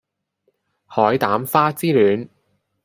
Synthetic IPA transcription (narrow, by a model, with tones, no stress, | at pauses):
hɔː˨˥jt̪aː˨˥mfaː˥t͡siː˥lyː˨˧n